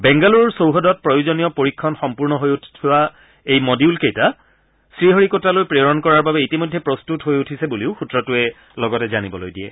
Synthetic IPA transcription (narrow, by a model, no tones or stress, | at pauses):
bɛŋɡaluɹsowɦɔdɔt̚pɹɔjuzɔnijɔpoɹikʰːɔnxɔmpuɹnɔɦojutʰtʰuwa | ejmɔdiulkejta | sɹiɦoɹikotalojpɹeɹɔnkɔɹaɹbabɛitimojdʱːɛpɹɔstutɦojutʰisɛbuliʊxutɹɔtʊɛ | lɔɡɔtɛzanibɔlojdijɛ̰